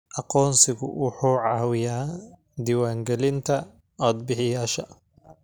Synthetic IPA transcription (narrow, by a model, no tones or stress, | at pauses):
ʔɑqɔːnsɪɣʊ̰ʔuːħuːʕɑːwɪjaː | d̪iːwaːŋɡɛlɪnt̪ʰɐ | ɔːd̪̚bɪħɪjaːʃɐ